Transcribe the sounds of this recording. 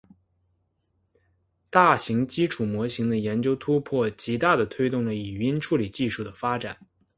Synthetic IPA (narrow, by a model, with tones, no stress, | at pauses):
t̪a˥˩ɕi˧˥ŋt͡ɕi˥ʈ͡ʂʰu˨˩mwɔ˧˥ɕi˧˥ŋd̪ə˧jɛ˧˥nt͡ɕjo˥ʊt̪ʰu˥pʰwɔ˥˩t͡ɕi˧˥t̪a˥˩d̪ə˩t̪ʰwe˥ɪt̪ʊ˥˩ŋlə˩i˨˩i˧˥nʈ͡ʂʰu˥˩li˨˩t͡ɕi˥˧ʂu˥˩d̪ə˩fa˥ʈ͡ʂa˨˩˦n